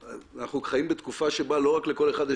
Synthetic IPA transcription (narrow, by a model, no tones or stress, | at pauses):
naχukχajimbet̪kufaʃe̞balo̞ʁakle̞ko̞le̞χad̪e